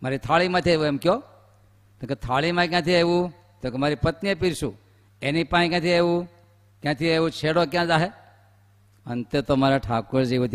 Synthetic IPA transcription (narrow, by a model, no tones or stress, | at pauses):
maːɾit̪ʰaːlimãt̪ʰieʋueːmkjo | t̪õket̪ʰaːɭimãk̬jãt̪ʰieʋu | t̪õkemaːɾipɐt̪niepiɾsu | eːnipaːĩk̬ãːt̪ʰieu | kjãːt̪ʰieut͡ʃʰeːɽok̬jãzaːɦe | ɐnt̪et̪omaːɾaʈʰaːkuɾd͡ʒeut̪ʰ